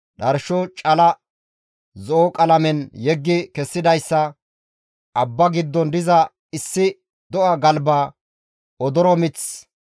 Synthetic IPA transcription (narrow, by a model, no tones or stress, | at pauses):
ɗɐɾʃɔt͡ʃʼɐlɐ | zɔɔkʼɐlɐmɛnjɛɡːɪkɛsːɪd̪ɐjsːɐ | ɐbːɐɡɪd̪ːɔnd̪ɪzɐ | ɪsːɪ | d̪ɔʔɐɡɐlbaː | ɔd̪ɔɾɔmɪt͡s